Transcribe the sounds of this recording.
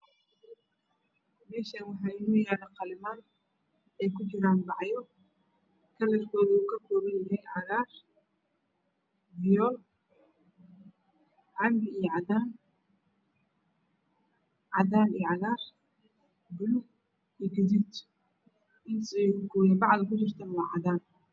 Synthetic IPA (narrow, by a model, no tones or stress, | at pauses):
mɛːʃanwɑħɑːɪnɐjaːɽɐqɑlɪmaːn | ɛːjkʰʊt͡ʃɪɾaːnbɑʕjɔ | kʰɐlɛɾkʰɔːðuːkʰɐkʰɔːɾɪnjɐɦɛjʕɑɣaːr | bɪjɔːl | ʕɑmbɪijɔʕɑðaːn | ʕɑðaːnijɔʕɑɣaːr | bʊlʊ | ijɡɐdɪt̪ | ʔɪnt̪ɛjʊkʰɔːjɛbɑʕðɐkʰʊt͡ʃɪrt̪ʰɐnwɑʕɑðaːn